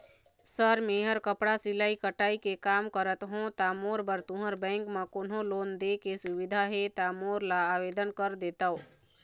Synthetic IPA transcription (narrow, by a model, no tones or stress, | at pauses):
səɾmeːɦəɾkəpɽasɪlaːikəʈaːikekaːmkəɾət̪ɦõt̪aːmoːɾbəɾt̪ʊ̃ɦəɾbɛ̃ːŋkmãkʊnɦõloːnd̪ekesʊʋɪd̪ʱaɦet̪aːmoːɾlaaːʋeːd̪ənkəɾd̪eːt̪ao